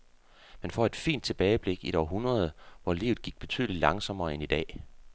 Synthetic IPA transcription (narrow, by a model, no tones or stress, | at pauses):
menfɒ̰e̝d̥fḭːnd̥̚t͡sʰe̝b̥ɛːɪəb̥le̝ɡ̥iɾ̥ɒɦunʁɐð̞ˠʋɒlḭːʊð̩ˠɡ̥iɡ̥̚b̥e̝t͡sʰy̰ðˠli̥lɑ̈ŋsɒ̽m̰ɐːenid̥ɛ̰ː